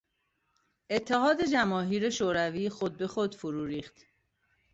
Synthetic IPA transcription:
ʔe̞t̪ʰːehɒːd̪e̞d͡ʒæmɒːɦiːɾeʃoːɾæviːxod̪̚be̞xod̪foɾuːɾiːxt̪

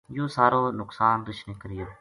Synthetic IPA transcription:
jõːsaːɾoːnʊksaːnd̪ʊʃnɪkɾɪjoː

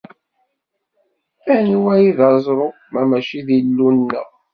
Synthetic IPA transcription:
æniwæjiðɑzˤɾˤo | mæmæʃiðilːunnːə̰

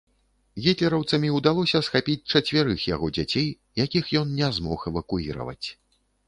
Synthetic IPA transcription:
ɣʲit̪ʲlʲɛɾɐwt̪sɐmʲiud̪alˠɔsʲɐsxapʲit͡sʲt͡ʂɐt͡sʲvʲɛɾɨxja̰ɣɔd͡zʲat͡sʲej | jakʲixjɔnnʲɛzmɔxɛvɐkuiɾɐ̰vɐ̰t͡sʲ

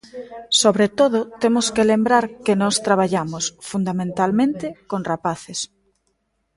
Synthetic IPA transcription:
soβɾet̪oðʊt̪emʊskelembɾaɾkenɔst̪ɾaβ̞aʎamosfund̪amẽnt̪almẽnt̪ɪkonrapaθes

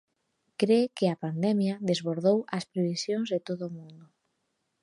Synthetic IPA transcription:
kɾekɪɐpand̪ɛmjɐðezβoɾðowɐspɾeβisjoŋzðɪt̪oðoːmũnd̪ʊ

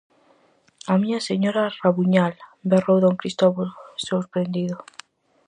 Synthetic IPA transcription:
amiɲaseɲoɾaraβuɲalberowðoŋkɾist̪oβolsoɾpɾend̪iðo

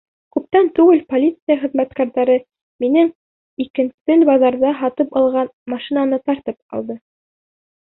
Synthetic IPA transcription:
kʉp̚t̪ænt̪ʉɡɘlpolʲit̪sɨjaχɘ̆ðmæt̪kæɾðæɾɘ | minɘŋ | ikɘ̆nsɘlbɑzðɑɾðɑɦɑt̪ɤpɑlˠʁɑnmɑʃinanɤt̪ɑɾt̪ɤp̚ɑ̰lˠd̪ɤ

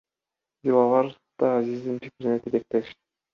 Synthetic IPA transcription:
bilˠɑlˠɑɾ | d̪̥ɑːzizd̪inpʲikʲiɾnet̪ʰed̪ek̚t̪eʃ

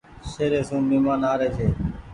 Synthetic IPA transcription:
ʃeːɾeːsũːmɪːmãːnaːɾeːt͡ʃʰeː

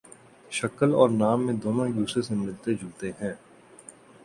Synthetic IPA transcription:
ʃɐkəlɔːɾnaːmːẽd̪oːnõjuːsɾesemɪlt̪ed͡ʒʱuːt̪eɦɛ̃ː

